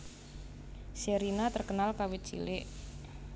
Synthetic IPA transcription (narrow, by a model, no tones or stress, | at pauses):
seɾinat̪ərkənalkawit͡ʃḭlɪʔ